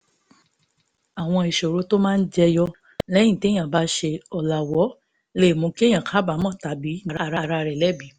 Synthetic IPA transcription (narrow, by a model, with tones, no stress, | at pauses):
a˨w̃ɔ̃˧e˨ʃo˨ɾo˨˦to˦mãː˦˧n̩˦d͡ʒɛ˧jɔ˧ | lɛ˦jĩ˦˨te˨˦j̃ã˦˨ba˨˦ʃe˧ɔ˨la˨wɔ˨˦ | le˦˨mũ˨˧˦ki˦e˦j̃ã˦˨kʰa˦ba˨˦mɔ̃˦˨ta˨˦bi˨˦a˨ɾa˦˨ɾa˨˧˨ɾa˧ɾɛ˨lɛ˦bi˨˦